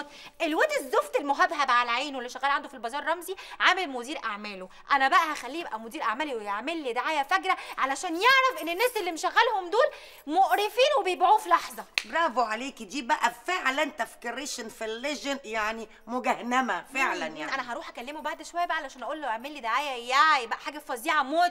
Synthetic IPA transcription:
ʔelwæt̪ezoft̪elmoɦæb̪ɦæbʕalʕeːnwelːeʃæɣæːlʕand̪ofilbɑzˤɑːɾˤːɑmziʕaːmelmod̪iːɾʔaʕmæːlo | ʔænæbæʔæhæxælːiːebʔæmod̪iːɾʔaʕmæːliwejeʕmelːid̪aʕaːjæfækɾæʕalæʃæːnjeʕɾæfʔenːenːæːselːimeʃæɣːælhomd̪oːl | moʔɾefiːnwebejebʕuːfilɑħzˤɑbɾˤɑːboʕaleːkd̪iːbæʔæfeʕlænt̪æfkeɾeːʃenfilːeʒnjaʕni | moɡæhnæmæfeʕlænjanʔænæɦɑɾuːħʔækælːemobaʕd̪ʃowæjːæbæʔʕalæaʃæːnʔæʔoːlːoʔeʕmelːid̪aʕaːjæjæʕjebæʔæħaːɡæfɑziːʕɑmoː

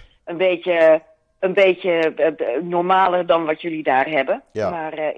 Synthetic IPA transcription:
ənbeːtjə | ənbeːtjə | nɔrmaːlərdɔnʋɔtjølidaːrɦɛbəmar

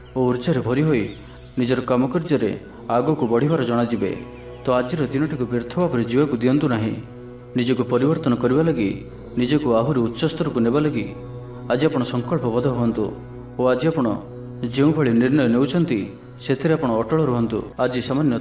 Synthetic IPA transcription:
ouɾd͡ʒaɾebʱɔɾiɦoj | nid͡ʒɔɾɔkamɔkɔɾd͡ʒɔɾḛ | aɡɔkubɔɽ̤ibaɾɔd͡ʒɔɽ̃ad͡ʒibḛ | t̪ɔad͡ʒiɾɔd̪inɔʈikubɾeɾt̪ʰɔbapɔɾid͡ʒiwakud̪iɔnt̪unaɦḭ̃ | nid͡ʒɔkupɔɾibɔɾt̪ɔnɔkɔɾibalaɡi | nid͡ʒɔkuaɦuɾeut̪ːsɔst̪ɔɾɔkunebalaɡi | ad͡ʒiapɔɽ̃ɔsɔŋkɔɭpɔbɔd̪ʱɔɦuɦɔnt̪ṵ | oad͡ʒiapɔɽ̃ɔ̰ | d͡ʒeũbʱɔɭiniɾnɔjɔnewt͡ʃʰɔnt̪i | set̪ʰiɾeapɔɽ̃ɔːʈɔɭɔɾuɦɔnt̪ṵad͡ʒisamanjɔ

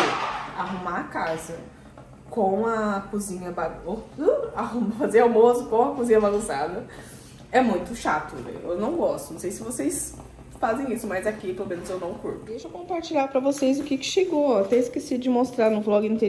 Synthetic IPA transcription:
aɦumakazɐ | kõw̃ɐkuzĩɲɐbaɡoahumfazeɾawmosʊkõw̃ɐkuzĩɲɐbaɡũsad̪ɐ | ɛmũj̃t̪ʊʃat̪ʊvɛ̰j̰ewnɐ̃w̃ɡɔst̪ʊnɐ̃w̃sejsɪvosejs | fazẽj̃isʊmɐjzakipelomẽnʊzewnɐ̃w̃kuɾt̪ʊd̪ejʃɐkõpaɾt͡ʃiʎʲaɾpɾɐvosejzʊkikɪ̥ʃeɡoat̪ẽiskesid̪ʊd͡ʒɪmost̪ɾaɾnʊflɔɡɪĩt̪e

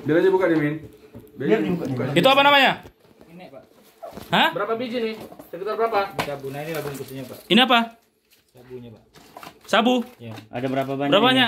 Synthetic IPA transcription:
bilaɲabukadiminbukkait̪uapanamaɲa | n | həbəɾapabid͡ʒinɪsəkit̪arbəɾapasabunainilaɡuŋkusiɲapainiapa | abuɲa | sabua̰dabəɾapabaəɾapaɲa

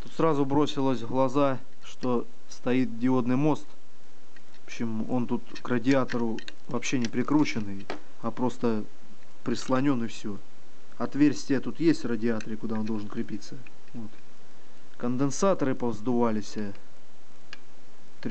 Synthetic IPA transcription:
t̪ut̪sɾazʊbɾo̞sʲɪlˠəsʲɣlˠɐza | ʂt̪o̞ | st̪ɐit̪̚dʲɪo̞d̪nɨjmo̞st̪ | ɕɪm | o̞nt̪ut̪krədʲɪat̪əɾʊ | vɐpɕːe̞nʲɪpɾʲɪkɾut͡ɕɪnɨj | ɐpɾo̞st̪ə | pɾʲɪslˠɐnʲo̞nɨfsʲo | ɐt̪vʲersʲtʲɪjət̪ut̪jesʲt̪ʲrədʲɪat̪əɾʲɪkʊd̪ao̞nd̪o̞lˠʐənkɾʲɪpʲit̪sə | vo̞t̪ | kənd̪ɨnsat̪əɾɨpəvzd̪ʊvalʲɪsʲə | t̪ʲ

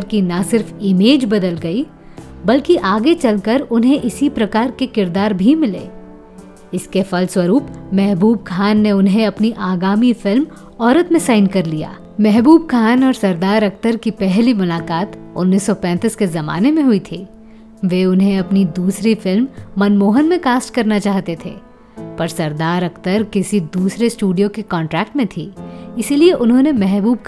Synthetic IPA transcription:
ɾkinɐsɪɾfɪmeːd͡ʒbɐd̪əlɡɐi | bɐlkiʔaːɡet͡ʃɐlkəɾʊnɦẽʔɪsipɾɐkaːɾkekɪɾd̪aːɾbʱimɪlḛː | ɪskefɐlswɐɾuːpmɛɦbuːb̚kʰaːnːeʊnɦẽɐpniʔaːɡaːmifɪlm | ɔːɾət̪mẽsaːɪnkɐɾlija̰ː | mɛɦbuːb̚kʰaːnɔːɾsɐɾd̪aːɾɐkt̪əɾkipɛɦlimʊlaːkaːt̪ʊ̰nːiːsːɔpɛ̃ːt̪ɪskezɐma̰ːnemẽɦʊit̪ʰiː | ʋeːʊnɦẽɐpnid̪uːsɾifɪlmːɐnmoːɦənmẽkaːsʈkɐɾnat͡ʃaːɦt̪et̪ʰḛː | pɐɾsɐɾd̪aːɾɐkt̪əɾkɪsid̪uːsɾesʈuːɖijokekɔ̃ːɳʈɾɛːk̚ʈmẽt̪ʰiːɪsilieʔʊnɦõnemɛɦbuːb̚k

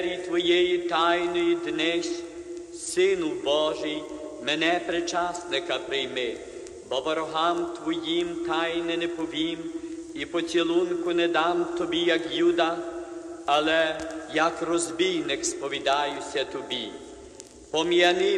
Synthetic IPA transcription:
ɾʲit̪ʋɔjɛjit̪ajnɔjid̪nɛsʲ | sɪnʊbɔʒɪjmenɛpɾɪt͡ʃɑsnɪkɐpɾɪjmɪ | bɔbɔɾɔɦɑmt̪ʋɔjimt̪ɑjnɪnɛpɔʋʲimipɔt͡sʲilˠunkʊnɛd̪ɑmt̪ɔbʲijɐkjud̪ɐ | ɐlˠɛjɐkrɔzʲbʲijnɪkspɔʋʲid̪ɑjʊsʲɐt̪ɔbʲi | pɔmjɐnɪ

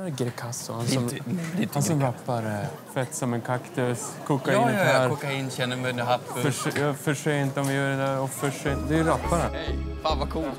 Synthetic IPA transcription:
ɾɡɾɛkʰasʊ̰hansɔmd̪hhansɔmɾapːaɾ | fɛt̪ːsɔmɛnkʰakt̪əskʰʊkːainaːɾɔkːaɪnːɕɛnːəmɛnaɦaft̪ffjfœʂɛɪnt̪əɔmvɪjœːɖɛd̪æɾɔfœʂɛd̪ɛjɾapːanafaːnvakʰuːlt̪

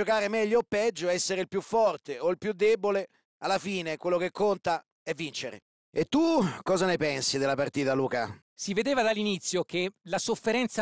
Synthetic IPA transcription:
okaːɾemɛʎːoapːɛd͡ʒːoɛsːeɾeilpjufːɔrt̪eoilpjud̪ːeːbole | alːafiːnekwelːokekːont̪a | ɛvːint͡ʃeɾḛ | et̪ːukɔːzanepɛnsid̪elːapart̪iːt̪aluːka | sived̪eːvad̪alːinit̪sːjokelasofːeɾɛnt̪s

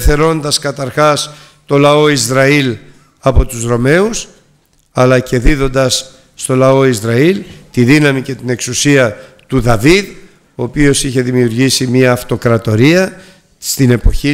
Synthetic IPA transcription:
θe̞ɾo̞nd̪ɐskɐt̪ɐɾxɐs | t̪o̞lɐo̞izɾɐil | ɐpo̞t̪uzɾo̞me̞us | ɐlɐce̞ðiðo̞nd̪ɐsː | t̪o̞lɐo̞izɾɐilt̪iðinɐmice̞t̪ine̞ksusiɐ | t̪uðɐvið | oːpio̞siçe̞ðimiuɾʝisimɐːft̪o̞kɾɐt̪o̞ɾiɐ | st̪ine̞po̞çi

